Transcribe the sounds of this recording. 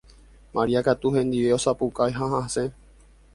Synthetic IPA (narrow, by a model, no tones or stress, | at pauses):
maɾiakat̪uhẽ̞nd̪iʋe̞o̞sapukajɦãɦãsẽ̞